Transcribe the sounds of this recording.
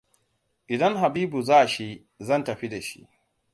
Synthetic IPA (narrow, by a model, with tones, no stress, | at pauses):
ʔɪ˨dɐ˦ŋɦa˨biː˦bu˨zaː˦ʔʃe˦ | zɐ˦ntɐ˨ɸi˦da˨ʃḭ˦ʔ